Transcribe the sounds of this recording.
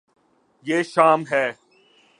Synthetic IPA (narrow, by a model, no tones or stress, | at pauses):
jeːʃaːmɦɛː